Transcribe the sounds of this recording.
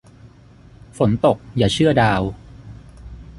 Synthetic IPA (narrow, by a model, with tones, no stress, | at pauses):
fo˩˦nt̪o˨˩k̚jaː˨˩t͡ɕʰɯ˥˩ɐdaː˧w